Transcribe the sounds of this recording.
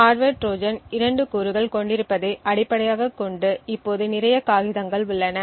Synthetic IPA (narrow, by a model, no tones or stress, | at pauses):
aːɾʋeːʈʈɾoːd͡ʒɐnɪɾɐɳɖɯkuːɾɯɣɐɭkɔɳɖɪɾɯpːɐðɐʔɐɽɪpːɐɽɐjaːɣɐkːɔɳɖɯɪpːoːðɯnɪrɐjɐkaːɣɪðɐŋɡɐɭʊɭːɐnɐ